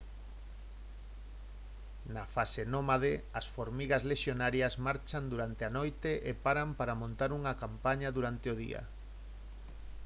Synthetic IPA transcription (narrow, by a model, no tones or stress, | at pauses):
nafasenomaðeɐsfoɾmiɣɐzleʃjonaɾjɐsmaɾt͡ʃand̪uɾant̪eanojt̪eʔepaɾampaɾamõnt̪aɾuŋɐkampaɲɐðuɾant̪eʊð̞ḭɐ̰